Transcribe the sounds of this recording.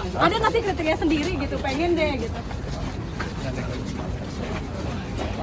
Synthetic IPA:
adanant̪ikdet̪̬əkjasəndiɾiɡit̪upeŋɪnd͡ʒɛɡit̪u | a̰

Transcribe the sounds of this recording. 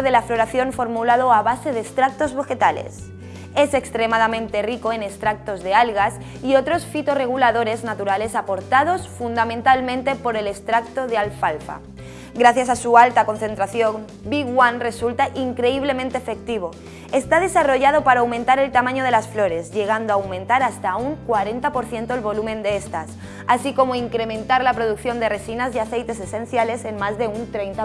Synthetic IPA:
ðe̞laflo̞ɾaθjo̞ɱfo̞ɾmulað̞o̞aβase̞ðest̪ɾak̚t̪o̞zβe̞xe̞t̪alḛs | e̞se̞kst̪ɾe̞maðamẽnt̪e̞riko̞e̞nest̪ɾak̚t̪o̞zðe̞alɣas | io̞t̪ɾo̞sfit̪o̞re̞ɣ̞ulaðo̞ɾe̞znat̪uɾale̞sapo̞ɾt̪að̞o̞sfund̪amẽnt̪almẽ̞nt̪e̞po̞ɾe̞lest̪ɾak̚t̪o̞ðealfalfa̰ | ɡɾaθjasasualt̪ako̞nθe̞nt̪ɾaθjo̞ŋ | biɣwanre̞sult̪aʔiŋkɾe̞iβ̞le̞mẽnt̪eefe̞k̚t̪iβ̞o̞ | est̪að̞e̞saro̞ʝað̞o̞paɾaːawmẽnt̪aɾe̞lt̪amãɲoð̞e̞lasflo̞ɾe̞zʝe̞ɣ̞and̪oawmẽ̞nt̪aɾast̪auŋkwaɾe̞nt̪apo̞ɾθje̞nt̪oelβo̞lumẽ̞nd̪eest̪as | asiko̞mo̞iŋkɾe̞mẽ̞nt̪aɾlapɾo̞ð̞uk̚θjo̞nd̪ere̞sinaziaθe̞jt̪e̞se̞sẽ̞n̟θjale̞se̞nmazðe̞unt̪ɾejnt̪a

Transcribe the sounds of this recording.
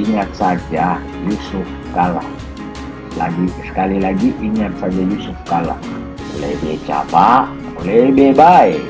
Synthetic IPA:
iɲat͡sad͡ʒa | jusuf | kala̰ | la̰ɡi | kalɛlaɡiʔiɲat͡sad͡ʒajusufkala̰ | ɔlɛbɛt͡ʃa̰ba | ulɛbɛbaɛ

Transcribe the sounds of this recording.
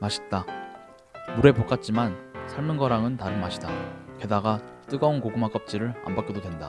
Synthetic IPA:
maɕʰi̥t̚t͈a | muɾe̞pok͈at̚t͡ɕ͈imansʰaɭmɯnɡʌɾaŋɯntaɾɯnmaɕʰidake̞daɡat͈ɯɡʌunkoɡɯmak͈ʌp̚t͡ɕ͈iɾɯɾa̰mbak͈idodwe̞nda̰

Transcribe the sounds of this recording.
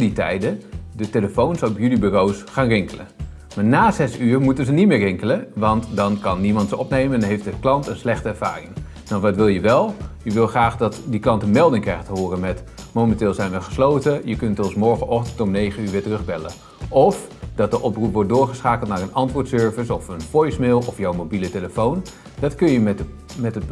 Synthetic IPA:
ditɛ̰jdədəteləfownsɔpjylibyrowsχaːnrɪŋkələ̰ | maːɹnaːzɛsyːrmutənzənit̚mɪːrɪŋkələʋɑntdɑnkɑnːimɑntsəɔpnejmədnɦejftdəklɑntənslɛχtəɛɹv̥a̰ːrɪŋ | dɔnʋɑtʋɪlˠjəʋɛlˠjəʋɪlˠχraːχdɑtdiklɑntənmɛlˠdɪŋkrɛjχətəɦʊːrənmɛt | mowməntɪːlˠzɛjnʋəχə̥slowtəjəkɵntɔsmɔɹχəʔɔxtəntɔmnejχənyːɹʋɪːtərɵχbɛlə̰ | ʔɔfd̥ɑt̚dəʔɔprupʋɔɹt̚dʊːɹχəsχaːkəlˠtnaːrənɑntʋʊːtsøːɹvəsɔfənfɔjsmɪːlˠɔfjɔwmobiləteləfown | dɑtkɵnjəm | mɛtət

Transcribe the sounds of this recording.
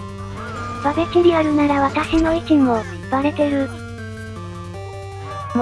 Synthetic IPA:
b̥abe̞kiɾʲiaɾɯ̟naɾaβat̪aɕino̞it͡ɕʲimo̞ipːaɾe̞t̪e̞ɾɯ̟ | m

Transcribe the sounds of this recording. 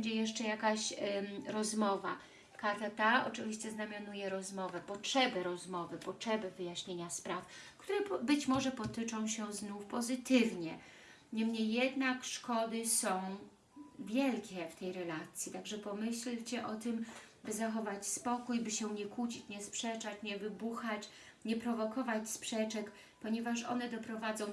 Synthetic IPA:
ɛɲd͡ʑɛjɛʂt͡ʂɛjakaɕɾɔzmɔva̰ | kaɾt̪at̪aɔ̰t͡ʂɘvʲiɕt͡ɕɛznamʲjanujɛɾɔzmɔvɛpɔtʂɛbɘɾɔzmɔvɘpɔtʂɛbɘvɘjaɕɲeɲaspɾafkt̪uɾɛbɘt͡ɕmɔʐɛpɔt̪ɪt͡ʂɔ̃w̃ɕɛznufpɔzɘt̪ɘvɲɛ | ɲɛmɲejːɛd̪nakʂkɔd̪ɘsɔ̃w̃ | vʲjɛlkʲɛft̪ɛjɾɛlat̪sʲjit̪aɡʐɛpɔmɘɕlt͡ɕɛʔɔt̪ɘmbɘzaxɔvat͡ɕspɔkujbɘɕɛɲɛkut͡ɕit͡ɕɲɛspʂɛt͡ʂat͡ɕɲɛvɘbuxat͡ɕ | ɲɛpɾɔvɔkɔvat͡ɕspʂɛt͡ʂɛk | pɔɲɛvaʂɔ̰nɛd̪ɔpɾɔvad̪zɔ̃w̃

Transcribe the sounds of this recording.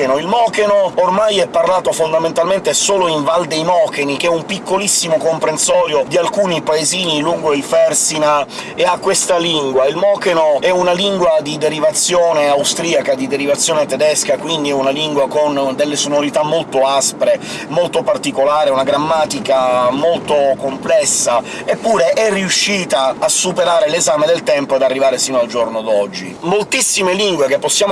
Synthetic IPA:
enoilmɔːkenoormajɛpːarlaːt̪ofond̪ament̪alment̪esoːloiɱvald̪ejmɔːkenik̟ɛumpikːolisːimokompɾensɔːɾjod̪ialkuːnipaeziːniluŋɡoilfɛrsina | eakːwest̪aliŋɡwailmɔːkenoɛunaliŋɡwad̪id̪eɾivat̪sːjoːneawst̪ɾiːakad̪id̪eɾivat̪sːjɔːnet̪ɛd̪ɛskakwind̪iɛunaliŋɡwakond̪elːesonoɾit̪amːolt̪oaspɾe | molt̪opart̪ikolaːɾeunaɡɾamːaːt̪ikamolt̪okomplɛsːa | epːuːɾeʔɛrːiuʃːiːt̪aːsːupeɾaːɾelezaːmed̪elt̪ɛmpoed̪arːivaːɾesiːnoald͡ʒornod̪ɔd͡ʒːḭmolt̪isːimeliŋɡwek̟epːosːjaːm

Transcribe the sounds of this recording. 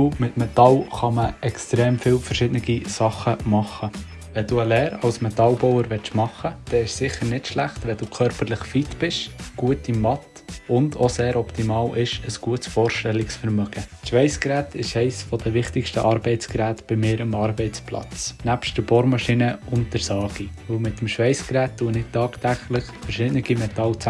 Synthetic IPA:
umɪt̪mɛt̪ɑlχɑməɛkstɾɛːmfɪːwfəɾʃɪdnɪɡ̥isɑχːəmɑχə | ʋɛd̥uːəlɛːɾɑwsmɛt̪ɑlbɔwəɾʋɛt͡ʃmɑχːəd̥ɛːɪʃsɪχəɾnɪtʃlæχtʋɛd̥uːkʰœɾpərlɪχfit̪b̥ɪʃɡ̥uətimɑt̪ | ʊndoseːɾɔpt̪imɑːlɪʃəsɡ̥uətsfɔːɾʃtɛlːɪksfəɾmœɡ̥əʃʋɛɪskɾæːtʰɪʃɛɪsfɔd̥̪əʋɪχtɪkʃtəʔɑɾbɛɪtt͡skɾæːtb̥ɪmɪːɾəmɑːɾbɛɪt͡splɑ̰t͡snæpʃtd̥əɾb̥oɾmɑʃinəʊnt̚dəɾsɑːɡ̥iʋɵwmɪt̪ːəmʃʋɛɪskɾæːt̚dunɪtɑːkt̪æχlɪχfɛɾʃɪdnɪɡ̥imɛtɑlt͡s

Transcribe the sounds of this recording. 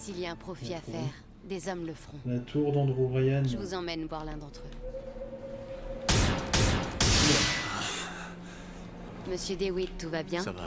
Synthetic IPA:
siliaɛ̃pχɔfiafɛːʁ | d̪ezɔmləfχɔ̃lat̪ʰuʁd̪ɑ̃d̪ʁoʁajɛnʒəvuzɑ̃mɛnvwaʁlɛ̃d̪ɑ̃t̪χø | məsjød̪ewid̪̚t̪uvabjɛ̃

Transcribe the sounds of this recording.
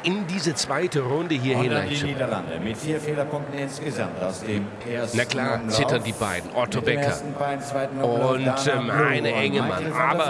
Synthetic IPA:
ʔɪndiːzət͡sv̥aɪtəʁʊndəɦiːɐhɪnaɪdɐla̰ndəmɪiːɐfeːlɐkʰɔmtn̩ɪnsɡəza̰mtsd̥eːmː | snakʰl̥aːɐt͡sɪtɐndiːbaɪdn̩ʔɔtʰobɛkʰɐ̰sn̩aɪn̩aɪtʊntɛmʔaɪnəʔɛŋəma̰nʔaːbɐ

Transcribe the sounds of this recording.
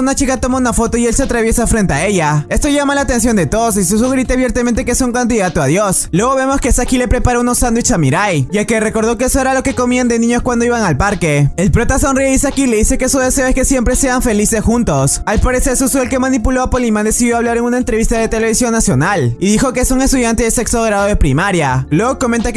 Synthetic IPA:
unat͡ʃikat̪o̞mounafo̞t̪o̞ielseat̪ɾaβje̞safɾe̞nt̪e̞ae̞ʝae̞st̪o̞ʝamalaːt̪e̞ns̬jo̞nd̪e̞t̪oðos̬is̬us̬uɣɾit̪eaβje̞ɾt̪ament̪ekesouŋkand̪iðat̪oaðjo̞slwe̞ɣo̞βe̞mo̞ske̞sakile̞pɾe̞paɾounosand̪wit͡ʃamiɾajʝakere̞ko̞ɾð̞o̞keesoeɾalo̞ke̞komiand̪enĩɲoskwand̪o̞iβaŋalpaɾke̞elpɾo̞t̪asonriðisakileðise̞kesuðe̞se̞oeske̞sje̞mpɾe̞se̞aɱfe̞lisesxunt̪o̞salpaɾeseɾsusuelke̞manipulo̞apolimand̪e̞siðjo̞aβlaɾe̞ŋunaent̪ɾe̞βist̪aðe̞t̪e̞le̞βisjo̞nːasjo̞naliðixo̞ke̞esuŋe̞st̪uðjant̪e̞ðese̞ksoɣɾaðoðe̞pɾimaɾjalwe̞ɣoko̞mẽnt̪ak

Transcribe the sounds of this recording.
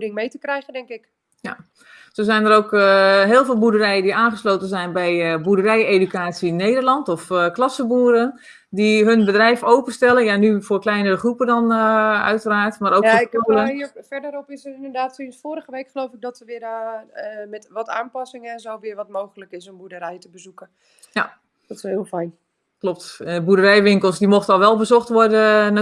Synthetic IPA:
dɪŋmejtəkrɛjɣəndɛŋkɪk | ja | sozɛjndəɾowkɦɪːlˠveːlˠbudərɛjədiʔaːnχəsloːwtənzɛjnbɛjbudərɛjeːdykaːtsineːdərlɑntɔfklɑsəbuːɾən | diɦɵnbədrɛjfowpənstɛlənjanyfoːrklɛjnərəχrupədɔnœ̰ɥtəraːrtmaɾoːjkfaoləifɛɹdəɾɔpɪsətɪndədaːtsinfoːɾəχəʋejkχəlowfɪk̚dɔtəʋɪːɾ | mɛtʋɔta̰ːmpɑsɪŋɛnzowʋɪːɹʋɔtmowχələkɪsənbudəɾɛjtəbəzukə | ja | dɔtshɪːlˠfɛjn | klɔp̚tbudərɛjʋɪŋkəlˠsdimoxtəɔlˠʋɛlˠbəzɔxtʋɔrdə

